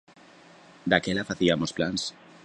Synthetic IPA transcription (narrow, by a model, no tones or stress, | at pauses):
d̪akelafaθiamo̞splans